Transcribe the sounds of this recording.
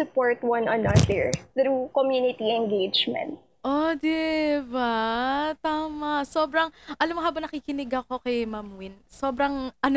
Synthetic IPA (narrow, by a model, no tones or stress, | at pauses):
ʊpoɹt̪wɐ̃nɐnɐd̪ɛɹɾukɔmjunɪt̪iɛnɡejd͡ʒmɛ̰̃nt̪̚ | ʔod̪ɪbat̪aːmɐsoːbɾɐŋʔɐlɐmːoɦaːbɐŋnɐkiːkɪnɪɡɐko̞kɐjmɐmwɪnso̞ːbɾɐŋʔɐn